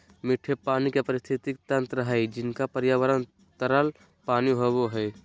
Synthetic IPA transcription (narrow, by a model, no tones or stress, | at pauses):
mɪʈʰepaːnikepɐɾɪst̪ʰɪt̪ik̚t̪ɐ̃nt̪ɾəɦɛd͡ʒɪnkapɐɾjaːʋəɾən | t̪əɾəl | paːniɦoʋoɦɛː